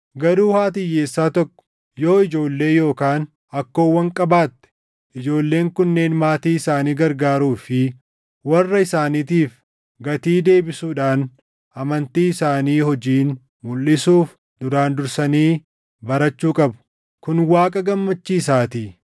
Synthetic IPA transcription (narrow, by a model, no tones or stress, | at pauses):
ɡɐɾuːhaːt̪̬ɪjːeːsːaːt̪ɔkːɔ̥ | jo̞ːɪd͡ʒo̞ːlːe̞ːjo̞ːkaːn | ɐkːo̞ːwːɐŋkʼɐbaːt̪ːɛ̥ | ʔɪd͡ʒo̞ːlːe̞ːŋkʊnːe̞ːnmaːt̪iːɪsaːniːɡɐɾɡaːɾuːfɪ | wɐrːɐɪsaːniːt̪iːf | ɡɐt̪iːd̪e̞ːbɪsuːᶑaːn | ʔɐmɐnt̪iːɪsaːniːhɔd͡ʒiːn | mʊlːɪsuːf | d̪ʊɾaːnd̪ʊɾsɐniː | bɐɾɐt͡ʃːuːkʼɐbʊ̥ | kʊnwaːkʼɐɡɐmːɐt͡ʃːiːs̬aːt̪iː